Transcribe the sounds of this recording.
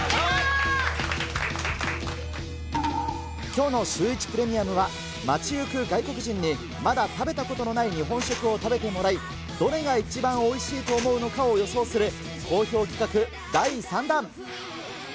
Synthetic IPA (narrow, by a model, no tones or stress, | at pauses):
kʲo̞ːno̞ɕɨːit͡ɕi̥pɯ̟ɾe̞mʲiamɯ̟βa | mat͡ɕiɯ̟kɯ̟ɡaiko̞kɯ̟ʑĩɲ̟ːi | mad̪at̪abe̞t̪ako̞t̪o̞no̞naiɲ̟iɦõ̞ɰ̃ɕo̞kɯ̟o̞t̪abe̞t̪e̞mo̞ɾai | d̪̥o̞ɾe̞ɡait͡ɕibãɰ̃o̞iɕiːt̪o̞ːmo̞ɯ̟no̞kao̞jo̞so̞ːsɨɾɯ̟ | ko̞ːço̞ːkʲi̥kakɯ̟ | d̪aisãnd̪ãŋ